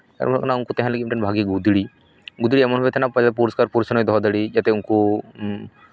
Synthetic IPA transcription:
a̰ɾmknaunkut̪ɛɦãlɡimʈenbʱaɡiɡud̪ɽi | ɡud̪ɽiɛmɔnɦet̪ʰɛnapəapuɾɔskaɾpuɾsnɔjd̪ʱɔd̪əɽid͡ʒat̪ɛunku

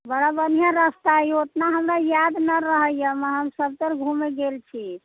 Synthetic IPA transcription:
bəɽabənjãɾəst̪aiot̪naɦəmɾajad̪nəɾəɦəjəməɦəmsəb̚t̪əɾɡʱumeɡelt͡ʃʰi

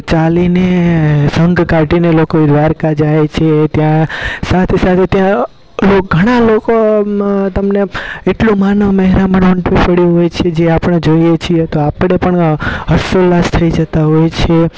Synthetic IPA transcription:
t͡ʃalinesəŋɡkaʈinelokoid̪ʋaɾkad͡ʒajt͡ʃʰet̪jãsat̪ʰesat̪ʰet̪jã | lokɡʱəɽ̃aloko | t̪əmneeʈlũmanəʋmɛɦɾaməɳʋəɳʈʋipəɽjũɦojt͡ʃʰed͡ʒeapɳ̃ed͡ʒoijet͡ʃʰiet̪oapɳepəɳɦəsolast̪ʰəid͡ʒət̪aɦojt͡ʃʰe

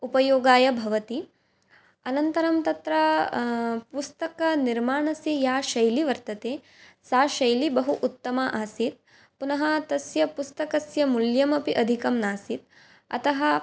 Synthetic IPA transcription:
upɐjoːɡaːjɐbʱɐʋɐt̪i | ɐnɐnt̪ɐɾɐmt̪ɐt̪ɾɐ | pust̪ɐkɐniɾmaːɳɐsijaːʃɐjliʋɐɾt̪ɐt̪eː | saːʃɐjlibɐɦuʔut̪ːɐmaːʔaːsit̪̚ | punɐɦɐt̪ɐsjɐpust̪ɐkɐsjɐmuljɐmɐpiʔɐd̪ʱikɐmnaːsit̪̚ | ɐ̰t̪ɐɦɐ̆

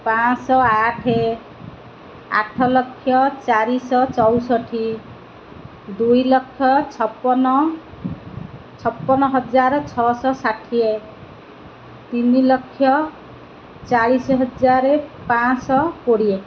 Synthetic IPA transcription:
pãɔaʈʰe | a̰ʈʰɔlʌkʰːjʌt͡saɾisɔt͡sɔwsʌʈʰi | d̪ujlʌkʰːjʌɔpːn | t͡sʰʌpːɔnɔɦʌd͡zaɾt͡sʰɔsɔsaʈʰije | t̪inilʌkʰːjʌ | t͡salisɦʌd͡zaɾepãsɔpoɽije

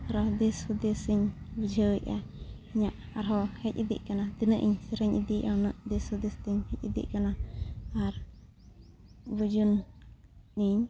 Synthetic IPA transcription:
ɾɔd̪ishud̪isiɲbəd͡ʒʱəja | ɲaʔ | aɾɦɔhɛcid̪ḭʔkanad̪inəʔḭɲsiɾaɲʔid̪iʔanəʔd̪ishud̪ist̪iɲhɛc̚id̪ḭʔkanaaɾ | bəd͡ʒun | niɲ

